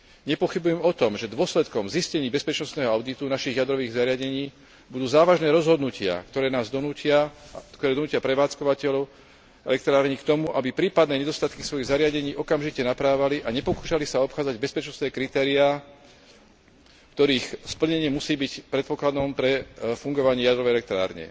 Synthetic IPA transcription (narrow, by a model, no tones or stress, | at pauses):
ɲɛpɔxibujɛmɔt̪ɔmʒɛd̪ʊɔslɛt̪kɔmziscɛɲiːbɛspɛt͡ʃnɔst̪nɛːɦɔaʊd̪it̪unaʃiɣjad̪ɾɔʋiːɣzaɾɪaɟɛɲiː | bud̪uːzaːʋaʒnɛːɾɔzɦɔd̪nucɪa̰kt̪ɔɾɛːnaːzd̪ɔuɪakt̪ɔɾɛd̪ɔnuːcjapɾɛʋaːt͡skɔʋacɛlɔʊ | ɛ̰lɛk̚t̪ɾaːɾɲikt̪ɔmuʔabipɾiːpad̪nɛːɲɛd̪ɔst̪at̪kisʋɔjiɣzaɾɪaɟɛɲiːʔɔkamʒicɛnapɾaːʋaliʔaɲɛpɔkuːʃalisaɔpxaːd͡zaɟbɛspɛt͡ʃnɔst̪nɛːkɾit̪ɛːɾia | kt̪ɔɾiːxspl̩ɲɛɲɪɛmusiːbicpɾɛt̪̚pɔklad̪ɔmpɾɛfuŋɡɔʋaɲɪɛjad̪ɾɔʋɛjɛlɛk̚t̪ɾa̰ːɾɲɛ̰